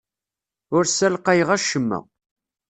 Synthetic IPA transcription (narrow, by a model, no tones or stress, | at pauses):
ʊɾsælqæjʁæʃəmːæ̰